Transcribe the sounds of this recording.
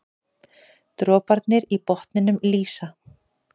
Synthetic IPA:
t̪ɾɔːpaɾt̪nɪɾipɔht̪nɪnʏmliːsa

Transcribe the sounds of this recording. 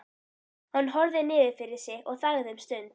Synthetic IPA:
hanːɦɔɾðɪnɪːðɪɾfɪɾɪɾ̥sɪɔɣθaɣðhʏmst̪ʏn

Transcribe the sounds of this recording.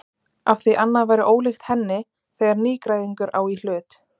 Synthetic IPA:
afθiʔanːaðvaːjɾɪʔoːwlɪxt̪hɛnːɪ | θejɣaɾniːkɾaːjðiŋkʏɾʔaːwil̥ʏːt̪

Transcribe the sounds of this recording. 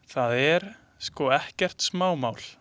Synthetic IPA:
θaðɛɾ | skɔɛhcɛr̥t̪smaːwmawl

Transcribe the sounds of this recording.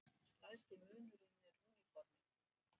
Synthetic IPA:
st̪alst̪ɪmœːnʏɾɪnːɪruːnifɔɾmɪ

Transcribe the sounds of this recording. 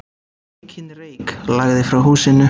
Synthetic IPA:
cʰɪnrejklaɣðɪfɾawɦuːsɪnːʏ

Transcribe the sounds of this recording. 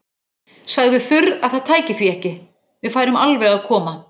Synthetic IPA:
saɣðʏfʏɾaðθaðt̪ʰaːjcɪfɾiɛhcɪ | vɪðfajɾɪmalvɛɣaðkʰɔːma

